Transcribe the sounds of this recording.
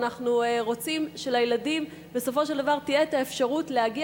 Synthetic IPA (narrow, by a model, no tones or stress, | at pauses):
naχnuʁo̞t͡simʃe̞lajeladim | be̞so̞fo̞ʃe̞ld̪avaʁtijetaefʃaʁutlehaɡi